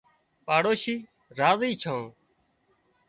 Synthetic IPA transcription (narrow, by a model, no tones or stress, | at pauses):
paːɽoːʃiː | ɾaːziːt͡ʃʰãː